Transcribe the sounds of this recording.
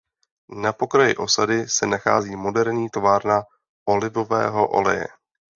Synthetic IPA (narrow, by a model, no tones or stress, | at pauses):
napo̞kɾajɪ̰ʔo̞sadɪsɛnaxa̰ːziːmo̞dɛɾɲiːt̪ovaːɾna | ʔo̞lɪvo̞vɛ̰ːɦo̞ʔo̞̰lɛ̰jɛ̰